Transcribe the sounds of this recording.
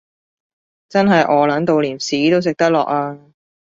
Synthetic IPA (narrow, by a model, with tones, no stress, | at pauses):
t͡sɐ˥nɦɐ˨jʔɔː˨˧lɐ˨˥nt̪o˨wliː˨˩nsiː˨˥t̪o˥wsɪ˨k̚t̪ɐ˥lɔː˨k̚aː˧